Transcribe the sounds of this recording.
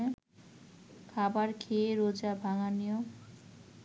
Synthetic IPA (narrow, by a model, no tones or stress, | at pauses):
e | kʰabaɾkʰeeɾod͡ʑabʱaŋanijo